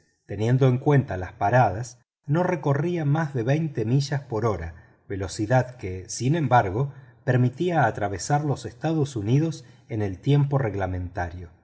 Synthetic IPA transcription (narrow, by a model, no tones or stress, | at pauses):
t̪e̞nje̞nd̪oeŋkwe̞nt̪alaspaɾað̞as | no̞re̞ko̞riamazðe̞βejnt̪emiʒaspo̞ɾo̞ɾa | βe̞lo̞siðaðkesinẽ̞mbaɾɣo̞peɾmit̪iaːt̪ɾaβ̞e̞saɾlo̞sest̪aðo̞suniðo̞s | e̞ne̞lt̪je̞mpo̞re̞ɣlamẽ̞nt̪aɾjo